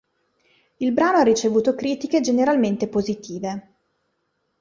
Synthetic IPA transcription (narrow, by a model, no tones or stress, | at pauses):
ilbɾaːnoarːit͡ʃevuːt̪okɾiːt̪iked͡ʒeneɾalment̪epozit̪ʰiːve